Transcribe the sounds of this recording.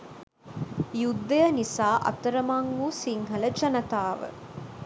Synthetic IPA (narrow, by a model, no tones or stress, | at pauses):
jud̪ːəjɐnisaːʔɐ̰t̪ɐɾəmaŋːuːsiŋɦɐləd͡ʒɐnɐt̪aːʋə̰